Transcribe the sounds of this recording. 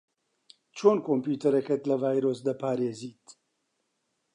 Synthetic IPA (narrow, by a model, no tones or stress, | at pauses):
t͡ʃʰoːnkʰoːmpjuːt̪ɐɾɛkɛt̪lɐvaːjɾoːs̬d̪ɐpʰaːɾeːziːt̪